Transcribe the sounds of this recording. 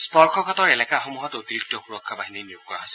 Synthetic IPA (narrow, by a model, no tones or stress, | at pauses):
spɔɹkʰɔkatɔɹɛlɛkaxomuɦɔtotiɹik̚tɔxuɹɔkʰːabaɦininijoɡ̚kɔɹa̰ɦosɛ